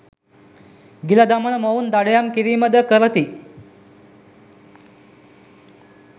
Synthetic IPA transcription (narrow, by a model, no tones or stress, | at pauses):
ɡilad̪amənəməund̪aɽjamkiɾiːməd̪əkəɾət̪i